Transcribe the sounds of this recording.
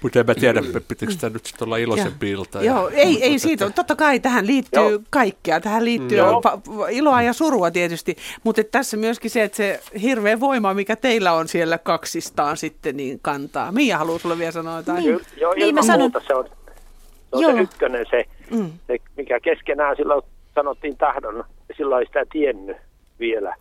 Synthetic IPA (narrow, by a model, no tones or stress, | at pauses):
mut̪emmæt̪iæɾæppːeppit̪iksit̪ænyt̪si̥t̪olːɑilosempiːilt̪ɑjjoːeieisiːt̪æt̪ot̪ːɑkɑit̪æhænliːt̪ːyːkɑikːeɑt̪æhælliːt̪ːypɑiloɑjɑsuruɑt̪iet̪yst̪imut̪et̪t̪æsːemyøskiseet̪sehirʋeːʋoimɑmikæt̪eilːæonsielːækɑksist̪ɑːnsit̪ːeniːŋkɑnt̪ɑ̰ːmiːjæhɑluːsulːeʋʋielsɑnoet̪ɑijoːjɑiːmːæɑt̪ɑseon | seonjseːykːønensesemikækeskenæːsilːo | sɑnot̪ːiːnt̪ɑhdonɑsilːoeisi̥t̪æt̪ienːy | ʋielæ̰